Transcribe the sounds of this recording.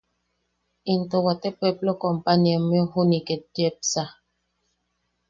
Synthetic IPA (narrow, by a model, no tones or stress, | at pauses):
intɔwatɛpɛplɔkɔmpaniɛmɛhunikɛdɛp̚sa